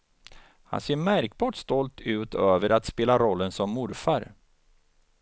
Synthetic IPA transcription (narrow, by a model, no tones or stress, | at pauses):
ha̰nseːɾmæɾkbɑːʈst̪ɔlt̪ʰʉ̟ːt̪ʰøːvəɾat̪speːlaɾɔlːənsɔmːʊɾfaɾ